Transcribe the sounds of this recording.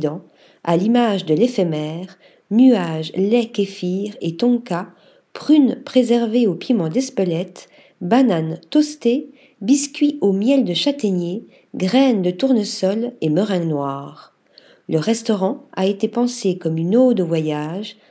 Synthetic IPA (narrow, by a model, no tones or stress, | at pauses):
d̪ɑ̃ | a̰limaʒd̪əlefɛmɛʁ | nyaʒlɛkefiʁet̪ɔ̃ka | pχynpχezɛʁveopjimɑ̃d̪ɛspəlɛt̪ | banant̪ɔst̪e | biskʲɥiʔomjɛld̪əʃat̪enje | ɡʁɛnd̪ət̪uʁnəsɔleməʁɛ̃nwaːʁ | ləʁɛst̪ɔʁɑ̃a̰et̪epɑ̃sekɔmynod̪əvwajaʒ